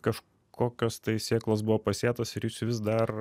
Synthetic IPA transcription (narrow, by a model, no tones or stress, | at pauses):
kɐʃ | kʰoːkʲost̪ɐɪsʲeːklˠoːs̬bʊʋoːpɐsʲeːt̪osɪɾjiːsʲʋʲɪsd̪ɐr